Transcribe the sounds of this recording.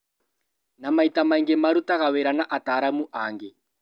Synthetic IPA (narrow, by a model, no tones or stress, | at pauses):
namaitamaiŋɡɛmaɾutaɣawɛɾanaʔataːɾamuʔaŋɡɛ